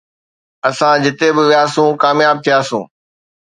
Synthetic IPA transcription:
ɐsãd͡ʑɪt̪ebɪʋiaːsũːkaːmjaːb̚t̪ʰijaːsṵ̃ː

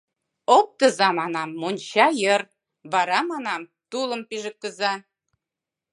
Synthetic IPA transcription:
ok̚t̪ə̆zɑmɑnɑmːonʲt͡ɕɑjər | βɑɾɑmɑnɑm | t̪uləmpiʒə̆k̚ːəzɑ

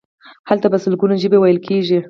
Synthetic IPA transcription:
halt̪abasʊlɡunoʒəbewajəlkʰeʒi

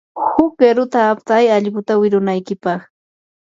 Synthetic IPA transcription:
hʊkeɾʊt̪aːp̚t̪ajaʎɢʊt̪awɪɾʊnajkɪpɑχ

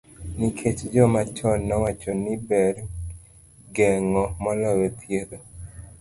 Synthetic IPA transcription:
nikʰet͡ʃd͡ʒɔmat͡ʃɔnːɔwat͡ʃɔnɪbɛr | ɡɛŋɔmɔlɔwet̪ʰjeɾo

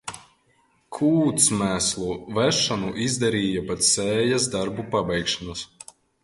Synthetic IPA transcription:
kʰuːt̪smæslˠuvæʃːanuʔizd̪aɾiːjapat̪sɛːjas̬d̪aɾbupabɛjkʃanus

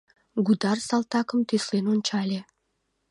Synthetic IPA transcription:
ɡud̪ɑrsɑlt̪ɑkəmt̪yslenonʲt͡ɕɑlʲe

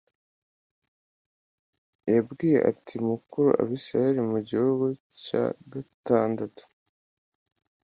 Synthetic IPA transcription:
jabɡiːje̞̰ʔa̰tʰiumukuɾṵʔa̰βisɾajeɾimuɟihuɡu | ca̰ɡataːndatu̥

